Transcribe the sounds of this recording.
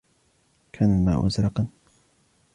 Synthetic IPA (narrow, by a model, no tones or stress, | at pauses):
kʰanma̰ːʔʊ̰zɾɑqɑn